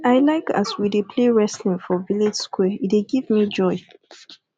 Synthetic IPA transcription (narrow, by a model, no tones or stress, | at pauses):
aɪlaɪka̰swidepʰleɹɛslĩŋfɔviled͡ʒskwɛieɡivmid͡ʒɔɪ